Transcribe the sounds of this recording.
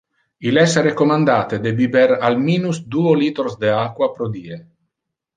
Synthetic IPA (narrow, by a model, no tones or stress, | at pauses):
ilɛsɾekomand̪aːt̪ed̪ebibɛɾalmiːnusd̪uoliːt̪oɾsd̪eakwapɾod̪iːe